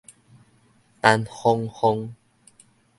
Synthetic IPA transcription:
t̪a˧nhɔ˧ŋhɔ˧ŋ

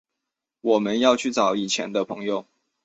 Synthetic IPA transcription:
wɔ˨˩mə˦njɑ˥˧ʊt͡ɕʰy˥˩t͡sɑ˨˩˦ʊi˨˩t͡ɕʰjɛ̰˨˧˦nd̪ə˧pʰɤ˧˦ŋjo˥˨ʊ

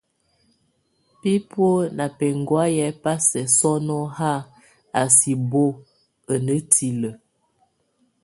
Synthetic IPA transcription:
pi˦pwo˦na˨pɛ˨ŋ˨ɡwa˦jɛ˦pa˦sɛ˨sɔ˦nɔ˦ha˦ | a˨si˨bo˦ | ə˨nə˦tʰi˨lə˨

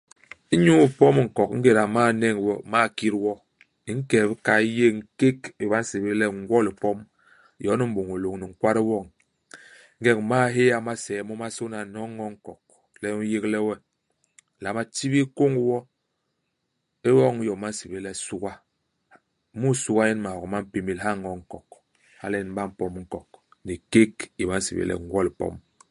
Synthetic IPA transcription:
i˦ɲu˦i˨pɔ˦m˨ŋ̩˨kɔ˨kŋ̩˦ɡe˦˨ɾa˨ma˦˨nɛ˦˨ŋ˨wɔ˦˨ma˦˨ki˦ɾwɔ˦ | i˨˦ŋ̩˦kɛ˨bi˦ka˨i˦je˦˨ŋ̩˦ke˦ki˨ba˦n̩˦se˨be˦lɛ˦˨ŋ̩˦ɡwɔ˦li˨pɔ˦m˨ | jɔ˨˦ni˦m̩˦bo˨ŋo˨lo˨ŋni˨ŋ̩˨kwa˦ɾi˦wɔ˦˨ŋ˦ | ŋ̩˦ɡɛ˦kma˦˨˦ɦe˦ja˨ma˦sɛ˨˦mɔ˦ma˦so˦na˨nɔ˦ŋːɔ˦ŋ̩˨kɔ˨k | lɛ˦u˦je˦klɛ˦wɛ˦˨ | la˨˦ma˦ti˦βi˦ko˦ŋ˦wɔ˦ | e˦wɔ˦ŋ˦jɔ˨ma˦n̩˦si˨be˦lɛ˦su˦ɡa˦ | mu˦su˦ɡa˦ji˦n˦ma˨hɔ˨ma˦m̩˦pi˨mi˦˨lɦa˦˨ŋɔ˦ŋ̩˨kɔ˨k | ha̰˦lɛ˦n˦ba˦m̩˨pɔ˦m˦ŋ̩˦kɔ˨kni˨ke˦ki˨ma˦n̩˦sḭ˨bḛ˦lɛ̰˨ŋ˦ɡwɔ˦li˨pɔ̰˦m

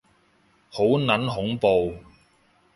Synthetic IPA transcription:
ho˨˥wnɐ˨˥nɦʊ˨˥ŋpo˨w

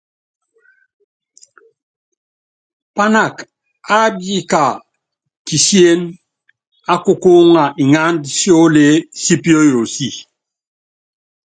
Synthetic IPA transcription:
pa˦na˦˨k | a˦bi˦ka˨ | ti˨si˦e˦n | a˦ku˦ko˦ŋa˨ʔi˨ŋa˦ndsjo˦le˦si˦pi˦o˦jo˨si˦˨

